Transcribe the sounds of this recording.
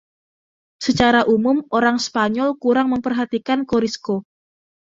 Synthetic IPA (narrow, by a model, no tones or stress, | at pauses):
sət͡ʃaɾaʔumʊmoɾaŋspaɲɔlkuɾaŋməmpərɦat̪ikankoɾisko